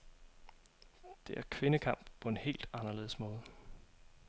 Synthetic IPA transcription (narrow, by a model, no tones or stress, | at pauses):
d̥e̝ʔæɐkʰʋe̝nəkʰɑ̈m̰b̥pʰɒ̽e̝nhe̝̰ːld̥ɑ̈nɐle̝ːðˠəsmɔ̽ːð̞ˠə